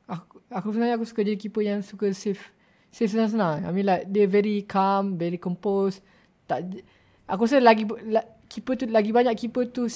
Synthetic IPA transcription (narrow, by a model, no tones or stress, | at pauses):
akuakusənaakusu̥kad͡ʒadik̬ipəjaŋsukəsef | sɪfsənãs̬ənaa̰mĩladiəvɛɾikʰamvɛɾikɔmpos | t̪aʔ | akus̬əlaɡila | kʰipət̪ulaɡibaɲaʔkipət̪u